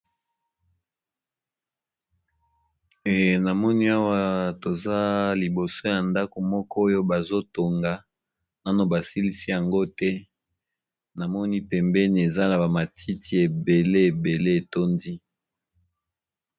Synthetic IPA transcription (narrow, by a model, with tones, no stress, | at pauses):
e˨na˨mɔ˦ni˦a˦wa˦to˨za˦li˨bo˨so˦ja˨nda˦ko˨mɔ˦kɔ˦o˦jo˦ba˨zo˦to˨ŋɡa˨ | na˦no˨ba˨si˦li˦si˦ja˨ŋɡo˦tɛ˦ | na˨mɔ˦ni˦pɛ˨mbɛ˦ni˨e˨za˦na˨ba˨ma˨tʰi˦tʰi˦e˨be˨le˦e˨be˨le˦e˨to˦ndi˦